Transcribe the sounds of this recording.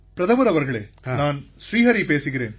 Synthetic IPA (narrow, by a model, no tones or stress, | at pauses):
pɪɾɐðɐʋɐɾɐʋɐɾɣɐɭḛːnaːnʃɾiːɦɐɾipeːsɯɣɪɾeːn